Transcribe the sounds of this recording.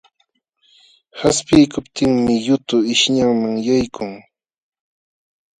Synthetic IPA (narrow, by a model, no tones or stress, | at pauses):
haspɪjkʊpt̪ɪŋmɪjʊt̪ʊɪʃɲaŋmaŋjajkʰʊŋ